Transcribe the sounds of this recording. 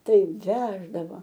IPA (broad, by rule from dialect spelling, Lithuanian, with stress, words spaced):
ˈtɐɪp ˈʋʲæːʒdɐʋɐ